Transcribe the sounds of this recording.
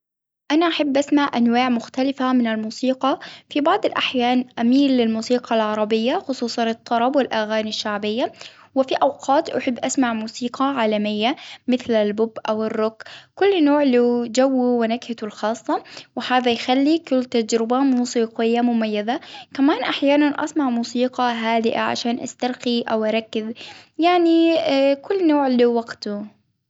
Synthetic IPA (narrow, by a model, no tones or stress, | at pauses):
ʔanaʔaħabːʔasmaʕʔanwaːʕmʊxt̪alɪfamɪnɪlmuːsiːqɑfibɑʕd̪ˤɪlʔaħjaːnʔamiːlːɪlmuːsiːqɑlʕɑɾˤɑbɪjːaxʊsˤuːsˤɑnɨt̪ˤːɑɾˤɑbwɪlʔaɣaːnaʃːaʕbɪjːa | wɪfiʔawqʰɑːt̪ʔaħɪbːʔasmaʕmuːsiːqʰɑʕaːlamɪjːamɪθlalbʊbʔawɪrːʊkːkʊlːnoːʕlɪd͡ʒawːiwɪnakhat̪ʊlxɑːsˤːɑwɪhaːðajxalːikʊlːt̪ad͡ʒɾɪbamuːsiːqɪjːamʊmajːaðakamaːnʔaħjaːnanʔa̰smaʕmuːsiːqɑɦaːd̪ɪʔa̰ʕa̰ʃaːnʔa̰st̪aɾqiʔawʔɑɾˤɑkːɪzjaʕnikʊlːnoːʕlɪwaɡt̪ʊ